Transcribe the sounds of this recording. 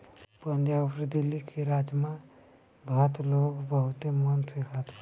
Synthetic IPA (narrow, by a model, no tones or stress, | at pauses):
pənjapɾd̪ilːikʰeɾad͡ʒma | bʱat̪loɡbəɦut̪emənsikʰat̪